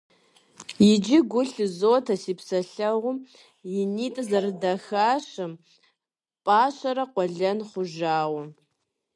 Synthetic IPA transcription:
jɪd͡ʒɪɡʷʊɬɨzoːtʰɐsiːpsɐɬɐʁʷʊm | jɪniːtʼɨzɐrɨdɐxaːɕɐm | pʼaːɕʼɐɾɐqʷɔɮɐnχʷʊʒaːwɐ

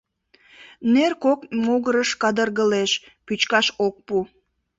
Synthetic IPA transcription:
nerkokmoɣəɾəʃkɑd̪ərɣəleʃpyt͡ɕkɑʃok̚pu

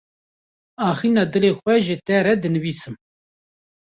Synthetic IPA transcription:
ɑːxiːnɑːd̪ɨleːxʷɛʒət̪ɛɾɛd̪ɨnɨviːsɨm

